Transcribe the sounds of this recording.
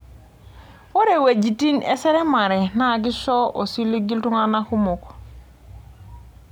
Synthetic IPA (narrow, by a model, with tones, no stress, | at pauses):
wo˦ɾe˨we˨d͡ʒi˨ti˦nḛ˦se˦ɾe˦ma˨ɾe˨na˦˨k̬i˦ʃɔ˦ʔo˨si˦li˦ɡi˦ltu˦ŋa˦na˦ku˦mo˨k